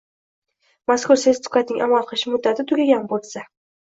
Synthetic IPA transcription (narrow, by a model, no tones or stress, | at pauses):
maskʰʊɾsezt̪ʰʊ̥kat̪̚nɪŋʲʔamalˠqʰɨlˠɪʃɪmʊd̪ːat̪ʰɪt̪ʰʊɡʲaɡʲanbolsa